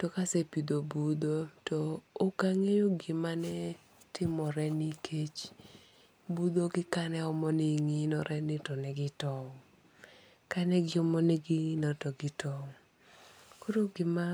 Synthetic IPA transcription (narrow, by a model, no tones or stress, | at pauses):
tɔkasɛpid̪obud̪otɔːkaŋejoɡɪmanɛ | tɪmɔɾɛnikʰet͡ʃ | bud̪oɡɪkanɛɔmɔniŋinɔɾʔɛnɪtɔnɛɡɪtɔ | kanɛɡɪɔmɔnɛɡiŋinɔtɔɡɪtɔ | koɾoɡɪma